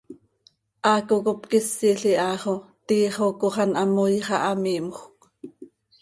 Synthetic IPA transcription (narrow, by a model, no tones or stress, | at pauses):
ʔɑːkokopkɪsːiɬiʔɑːχot̪iːχokoχɑnʔɑmojχɑʔɑmiːmχʷk